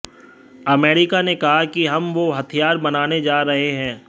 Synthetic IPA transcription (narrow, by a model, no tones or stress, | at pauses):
ɐmeːɾɪkanekɐɦakiɦɐmʋoɦɐt̪ʰijaːɾbɐnaːned͡ʒaːɾɐɦeɦɛ̃ː